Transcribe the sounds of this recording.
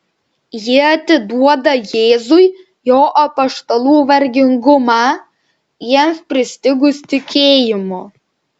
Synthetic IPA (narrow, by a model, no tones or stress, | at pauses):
jɪɐt̪ʲɪd̪uɔd̪ɐjeːzʊɪ | joːʔɐpɐʃt̪ɐlˠuːʋɐɾʲɡʲɪŋɡʊmɑː | jiɛmspʲɾʲɪsʲt̪ʲɪɡʊst̪ʲɪkʲeːjɪmʊ